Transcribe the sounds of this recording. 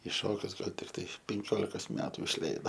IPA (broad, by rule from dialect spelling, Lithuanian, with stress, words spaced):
ɪ ˈʃoːkʲʊs ˈɡɐlˠ tʲɪkˈtɐɪ pʲɛŋʲˈkʲoːlʲɪkoːs ˈmʲæːtʊ ɪʃʲˈlʲɛɪdoː